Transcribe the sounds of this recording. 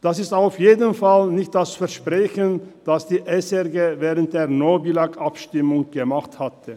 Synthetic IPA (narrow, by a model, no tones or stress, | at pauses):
d̥asɪstaʊfjeːdənfalnɪçt̚d̥asfɛɐʃpʁ̥ɛçənd̥asd̥iːʔɛsɛʁɡeːvɛːʁənt̚d̥eːɐnoːbilakʔapʃtɪmʊŋɡ̥əmaχthatʰə